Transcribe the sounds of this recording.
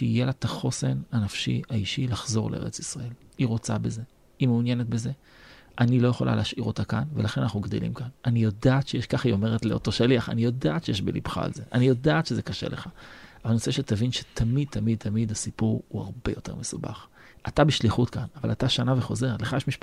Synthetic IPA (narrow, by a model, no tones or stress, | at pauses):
ʃeijelat̪aχo̞senanafʃḭaiʃilaχzo̞ʁlʔeḛʁet͡si̥sʁae̞liʁo̞t͡sa̰be̞ze̞ | imeunjenet̚beze̞ | ʔanilo̞jeχo̞la̰leʃʔiʁo̞t̪akanvelaχe̞nanaχnuɡd̪elḭmkananijo̞daːtʃejeʃkaχio̞me̞ʁetleo̞to̞ʃaliaχa̰nijo̞daːtʃejeʃbelḭbχa̰ːlze̞ʔanijo̞daːt̪ʃezekaʃḛlʔeχavalnoseʃet̪avinʃe̥t̪ʰamid̪̚tʰamid̪̚t̪ʰamid̪asipuʁua̰ʁbejo̞te̞̰ʁmesuba̰χ | ʔatabiʃliχutkanava̰lataʃanaveχo̞ze̞ʁleχajeʃmiʃ